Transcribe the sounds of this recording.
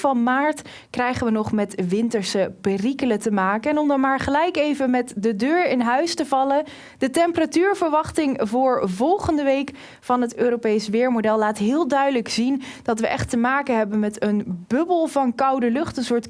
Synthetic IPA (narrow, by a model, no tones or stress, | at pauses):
vɑnmaːɹt | krɛjχəʋənɔχmɛtʋɪntəɹsəpɪrikələtəmaːkəɛnɔmdɑnmaːɹχəlɛjkejvəmɛtdədøːɹɪnɦœɥstəvɑlə | d̥ətɛmpəratyːɹvəɹʋɑχtɪŋvʊːɹvɔlˠχəndəʋejk | fɑnɦətøːɾopejsʋɪːɹmodɛlˠːaːtɦɪːlˠdœɥdələksind̥ɑtʋəʔɛχtəmaːkəɦɛbənmɛtənbɵbəlˠvɑnkɑwdəlɵχtənsʊːɹt